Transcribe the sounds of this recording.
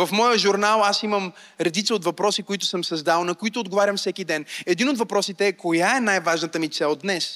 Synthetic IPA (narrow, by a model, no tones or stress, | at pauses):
vɐfmɔjəʒuɾnalˠasiməm | ɾɛd̪it̪səot̪vɐpɾɔsikoit̪ʊ̥səmsɐzd̪alˠnɐkoit̪ʊːd̪ɡovaɾʲəmfsɛkid̪ɛnɛd̪inot̪vɐpɾɔsit̪ɛːkojaɛnajvaʒnət̪əmit̪sɛlˠd̪nɛs